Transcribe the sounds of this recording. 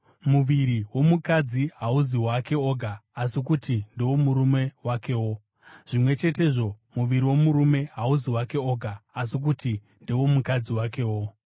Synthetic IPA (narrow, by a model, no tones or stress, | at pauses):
muʋiɾiwo̞mukad͡ziɦauziwake̞o̞ɡʱaːsikutʰindewo̞muɾume̞wake̞wo̞ | ʐ̥imwe̞t͡ʃe̞te̞ːʐo̞ | muʋiɾiwo̞muɾume̞ɦauziwake̞oɡʱaːsik̬uti | ndewo̞mukad͡ziwake̞ːwo̞